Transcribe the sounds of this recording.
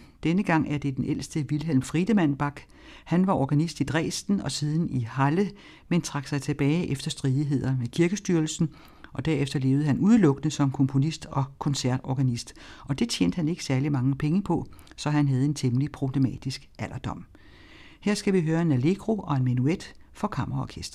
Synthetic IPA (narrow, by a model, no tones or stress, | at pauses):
d̥enəɡ̥ɑ̈ŋ̰æɐd̥e̝d̥enʔel̰sd̥əʋilel̰mfʁid̥əmæn̰b̥ɑ̈ɡ̥ | hænʋɑ̈ʔɒɡ̥ænisd̥id̥ʁɛ̰ːsd̥n̩ɒ̽siːð̞ˠn̩ihɑlə | ment͡sʰʁɑ̈ɡ̥sɑ̈ɪt͡sʰe̝b̥ɛːɪʔefd̥ɐsd̥ʁiːðˠiɦe̝ð̰ˠɐʋekʰiɐɡ̥əsd̥yːɐlsn̩ | ʔɒ̽d̥æɐ̰efd̥ɐle̝ːʊð̩əɦænuð̞ˠlɔ̽ɡ̥ənəsɒ̽mkʰɔ̽mpʰo̝nisd̥ɒ̽kʰɒ̽nsæɐ̰d̥ɒːɡ̥ænisd̥ʔɒ̽d̥e̝t͡sʰjḛːnd̥əhæne̝ɡ̥ə̥sæɐlimɑ̈ŋəpʰeŋəpʰɒ̽ | sɒ̽ɦænɦæð̞ˠe̝nt͡sʰemlipʰʁo̝b̥le̝mɛ̰ːd̥isɡ̥æl̰ʔɐd̥ɒ̽m̰ | heɐ̰sɡ̥æʋiɦøːɐe̝næle̝ɡ̥ʁo̝ʔɒ̽e̝nmænued̥fɒ̽kʰɑ̈m̰ɐɐɒ̰kʰesd̥ɐ